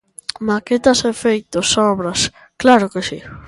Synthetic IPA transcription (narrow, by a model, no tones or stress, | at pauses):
maket̪asefejt̪osɔβɾɐs | klaɾokesi